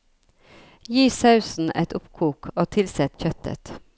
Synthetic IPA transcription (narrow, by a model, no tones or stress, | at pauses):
jiːsɑʉsn̩ʔɛt̪ʊpkʰuːkoːt̪ʰɪlsɛt̪çœt̪ʰə̰t̪